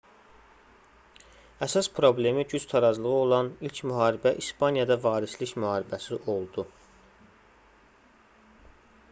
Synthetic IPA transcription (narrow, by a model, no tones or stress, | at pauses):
æsɑspʰɾo̞ble̞miɟyz̥t̪ʰɑɾɑzlˠɯʁo̞lˠɑnilcʰmyɦɑːɾibæʔispʰɑnjɑd̪ɑvɑːɾisliçmyhɑːɾibæsiʔo̞lˠd̪u